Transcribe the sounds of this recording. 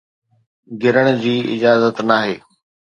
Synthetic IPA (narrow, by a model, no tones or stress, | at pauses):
ɡʱɪɾəɽ̃ʊ̆d͡ʑiːɪ̰d͡ʑaːzət̪naːɦeː